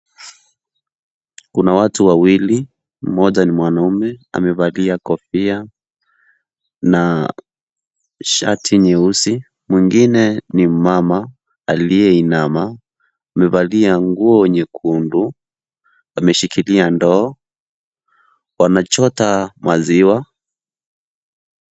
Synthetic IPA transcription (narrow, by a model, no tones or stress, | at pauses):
kunawatuwawili | m̩mɔʄanimwanaumɛa̰mɛvaliakɔfia | na | ʃatʰiɲɛusi | mwiŋɡinɛnimama | alijɛinamaː | mɛvaliaŋɡuɔwɛɲɛkʰundu | amɛʃikiliandɔː | wanat͡ʃɔtamaziwa